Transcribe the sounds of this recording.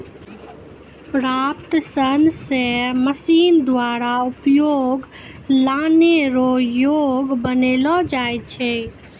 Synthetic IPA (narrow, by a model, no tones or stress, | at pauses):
pɾaːpt̪sənseməsiːnd̪waːɾaʊpjoːɡ | laːneɾojoːɡbəneːlɔd͡ʒaːet͡ʃʰeː